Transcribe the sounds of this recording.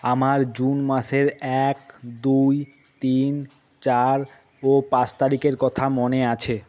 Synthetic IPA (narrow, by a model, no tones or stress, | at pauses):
amaɾd͡ʑunmaʃeɾɛkd̪uj | t̪in | t͡ɕaɾ | opãt͡ɕt̪aɾikeɾkɔt̪ʰamoneat͡ɕʰe